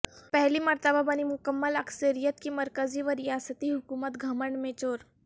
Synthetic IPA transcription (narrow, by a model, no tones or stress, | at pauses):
pɛɦlimɐɾt̪əbabɐnimʊkəmːəlɐksəɾijət̪kimɐɾkəziʋəɾijaːsət̪iɦʊkuːmət̪ɡʱɐməɳɖmẽt͡ʃoːɾ